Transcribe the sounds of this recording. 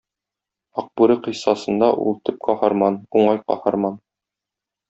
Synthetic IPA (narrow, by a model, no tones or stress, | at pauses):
ɒq̚buɾɤqĭjsɑsɤ̆nd̪ɑʔṵlˠt̪ɘp̚qɒhɑɾmɑnuɴɑjqɒ̰hɑɾmɑn